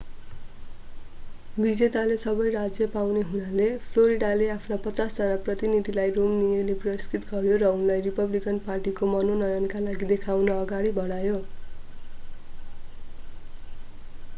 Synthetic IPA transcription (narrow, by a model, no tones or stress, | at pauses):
bid͡zet̪alesʌbʌjrad͡zjʌpawneɦunalepʰloɾiɖaleapʰnapʌt͡sasd͡zʌnaprʌt̪inid̪ʱilajromnijʌleprʌskit̪ɡʌɾjoɾʌunlajripʌblikʌnparʈikomʌnonʌjʌnkalaɡid̪ekʰawnʌːɡaɽibʱʌɽajo